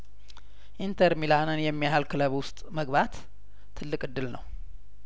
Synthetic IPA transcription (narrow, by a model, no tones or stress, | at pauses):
ʔint̪ʰəɾmilanɨnjɛmːijahalkʰɨləβwʊst̪ʼməɡβat̪ʰː | ɨlːɨkʼɨd̪ːɨlnə̰w